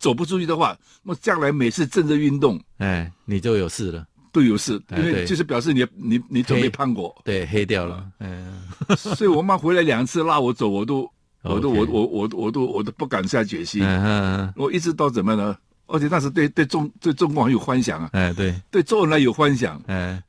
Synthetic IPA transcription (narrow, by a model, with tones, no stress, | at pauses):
t͡so˨˩ʊp̬u˧˥t͡su˥˧y˥˩d̪ə˩˧xwa˥˩ | na˥˧˩t͡ɕjɑ˥˩ŋla˧˥ɪme˨˩ɪt͡sʰɹ̩˥˧ʈ͡ʂə˥˧nt͡s̩˥˩y˥˧nt̪ʊ˥˩ŋ˥˩ni˨˩t͡ɕjo˥˩ʊjo˨˩ʊsɹ̩˥˩lə˩ | t̪wo˥˩ʊjo˨˩ʊʂɹ̩˥˩˥nwe˥˧ɪ˧o˥˧ʂɻ̩˥˩pjɑ˨˩ʊʂ̬ɻ̩˥˩ni˧˩˥ni˧˥ni˧˥t͡so˨˩˦me˧˥ɪpʰa˥˧nkwɔ˥˩t̪we˥˩ɪxe˥ɪt̪jɑ˥˩ʊlə˧˩ | swɔ˧˥i˨wwɔ˨˩ma˥xwe˧˥ɪla˧˥ɪljɑ˨˩ŋt͡sʰɹ̩˥˧la˥˩wɔ˧˥t͡so˨˥ʊwɔ˨˩t̪o˥˧ʊ | wɔ̰˨t̪o˧wɔ˨˧˥wɔ˧˩wɔ˨˩wɔ˨˩t̪o˥˧ʊwɔ˨˩t̪o˥pu˥˩ka˨˩ns̩˥a˥˩t͡ɕɥɛ˨˩ɕi˥˧˥wɔ˨˩i˥˩ʈ͡ʂɻ̩˧˥t̪ɑ˥˩ʊt͡sə˨˩nmə˧nə˧ | ʔə̰˞˧˥t͡ɕʰɛ˨˩t̪a˥˩nʂ̬̩˧˥t̪we˧ɪt̪we˥˧ɪʈ͡ʂʊ˥˧ŋt̪we˥˧ɪʈ͡ʂʊ˥˧ŋkxə˥njo˨˩xwa˥nɕjɑ̰˨˩˦ŋɐ˦˧˩t̪we˥˩t̪we˥˧ɪt͡sɔ˥˧ə˧˥nla˧˥ɪjo˨˩ʊxwa˥nɕjɑ̰˨˩˦ŋ˩